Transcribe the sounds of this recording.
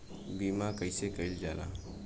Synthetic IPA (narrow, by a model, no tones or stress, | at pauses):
biːmakəɪsekəild͡ʒaːla̰